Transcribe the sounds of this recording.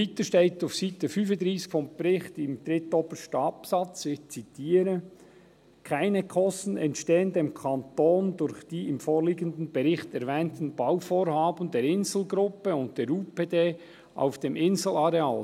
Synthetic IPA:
hitəʃteɪtafsiːtəfyːfəndʁiːskfɔmb̥ɾɪχtɪmd̥ɾɪtoːbəʃtɑpsɑt͡sɪt͡sitʰiːɾə | kʰaɪnəkʰɔstn̩ɛntʃteːəndeːmkʰɑntoːndʊɾçd̥iːɪmfoːɾliːɡən̩dən̩bɛɾɪχtɛɾvɛːntn̩b̥awfoːɾhɑːbəndeːɾɪnzl̩ɡɾʊpəʊnt̚d̥eːɾuːpeːdeː | ʔa̰ʊfd̥eːmʔɪnzl̩ɑɾeɑ̰ːl

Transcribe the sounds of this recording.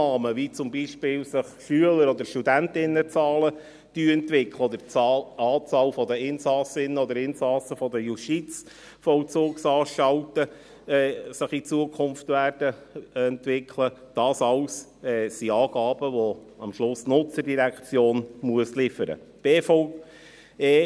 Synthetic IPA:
ɑːməʋit͡sʊmbiʃpɪːlsɪχʃyələɾɔd̪əɾʃtud̪æntɪnːət͡sɑːlə | d̥yːɛnt̪ʋɪkʰləɔd̪əɾɑɑːt͡sɑːlfɔd̪əɪnsɑsɪnːəɔd̪əɾɪnsɑsəfɔd̪əjuʃtit͡s | fɔwt͡suːksɑːʃɑwtə | ɛːsəχit͡suəkʰʊnftʋæːrd̥ə | ɛnt̪ʋɪkʰləd̥ɑːsɑʊs | ɛːsiɑːɡ̥ɑːb̥əʋo | ɑmʃlʊsnʊt͡sədiɾækt͡sjoːnmuəslɪfəɾə̰b̥eːfɔ | eː

